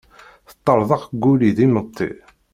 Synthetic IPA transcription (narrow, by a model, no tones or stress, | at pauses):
θə̥t̪ˤːəɾˤðˤɑʁɡːuliðimət̪ˤːḭ